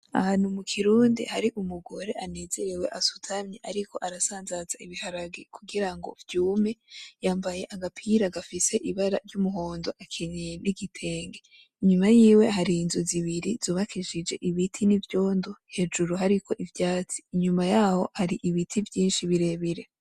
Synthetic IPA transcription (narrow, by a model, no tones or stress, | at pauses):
a̰haːnhumukʰiɾuːndḭhaɾiʔumuɡo̞ɾe̞ʔane̞ːze̞ɾe̞we̞ʔasu̥tʰamɲeʔaɾikʰo̞ʔaɾasaːnzazaiβihaɾaɡekʰuɡiɾaŋɡo̞̰vjuːme̞jaːmbaje̞ʔaɡapʰiɾaɡafise̞ʔiβaɾaɾjumuɦo̞ːndo̞ʔakʰinije̞niɡitʰe̞ːŋɡe | iɲumajiːwe̞ɦaɾiːnzoziβiɾiz̥uːβakiʃid͡ʒe̞ʔiβitʰinivjo̞ːndo̞he̞d͡ʒuɾuɦaɾikʰo̞ʔivjaːt͡si̥ːɲumajaːho̞haɾiʔiβitʰivjiːnʃiβiɾe̞βiɾe̞